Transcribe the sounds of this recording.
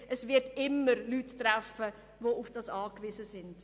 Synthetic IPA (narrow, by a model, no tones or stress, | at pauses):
ʔəsvɪɾdɪmːəɾlytːɾafə | ʋoufd̥ɑsɑːkʋizəsɪnd̥